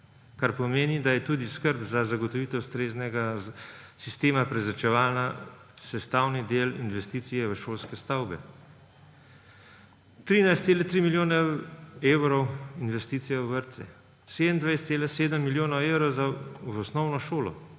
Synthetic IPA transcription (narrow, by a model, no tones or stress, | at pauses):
kaɾpɔmeːnid̪ajɛt̪uːd̪iskəɾbzazaɡɔt̪ɔʋiːt̪ɛust̪ɾeːznɛɡa | sist̪eːmapɾɛzɾat͡ʃɛʋaːlna | sɛst̪aːwnid̪eːlḭnʋɛst̪iːt̪sijɛʋəʃoːlskɛst̪awbɛ | t̪ɾiːnajst̪seːlɛt̪ɾimiljoːnɛewɾɔwinʋɛst̪iːt̪sijɛʋəɾt̪sɛ | seːd̪ənd̪ʋajst̪seːlaseːd̪əmːiljoːnɔwewɾɔwzaʋɔsnɔwnɔʃoːlɔ̰